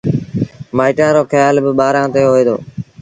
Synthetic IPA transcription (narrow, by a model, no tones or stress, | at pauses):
maːɪʈãːɾoːxəjaːlbɪɓaːɾãːt̪eːɦoːeːd̪o̰ː